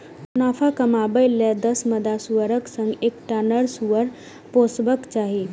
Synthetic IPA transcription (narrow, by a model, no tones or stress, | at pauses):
nafʰakəmabəjled̪əsməd̪asuʋəɾəksə̃ŋɡekʈanəɾsuʋəɾ | posbəkt͡ʃaɦi